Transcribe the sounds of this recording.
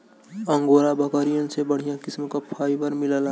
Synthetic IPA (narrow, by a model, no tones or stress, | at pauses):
əŋɡoɾabəkəɾijənsebəɽ̤ijãkɪsmkapʰaːɪbəɾmiləl